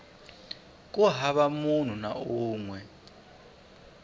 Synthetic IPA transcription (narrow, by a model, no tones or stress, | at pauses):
k̬ʼuɦaɓamun̤unauːŋwɛ